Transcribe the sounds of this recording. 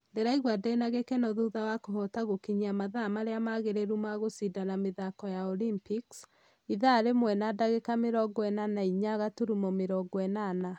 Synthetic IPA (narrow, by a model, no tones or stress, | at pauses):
ndeɾaiɣwadɛnaɣekɛnɔðuðawakoɦɔtaɣokiɲiamaðamaɾeamaɣeɾeɾumaɣosidanameðakɔjaɔlimpiks | iðaɾemwɛnadaɣekameɾɔɡɔɛnanaiɲaɣatuɾumɔmeɾɔɡɔɛnana